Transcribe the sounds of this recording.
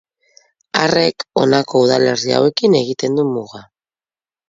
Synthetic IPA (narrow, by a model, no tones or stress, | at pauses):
are̞ko̞nako̞uðale̞ɾia̰we̞kine̞ɣit̪e̞nd̪umuɣa